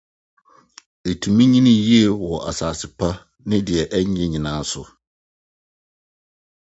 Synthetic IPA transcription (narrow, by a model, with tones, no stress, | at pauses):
e˨tʰu˨mĩ˦ɲĩ˦nĩ˦ji˦ɛ˨wɔ˨ʔa˨saː˨sɪ˨pʰa˦ | nɪ̃˦dɪ˨ɛ˨ʔæ˦ɲ˦ɛ̃˦ɲĩ˨nãː˦n˦sʊ˨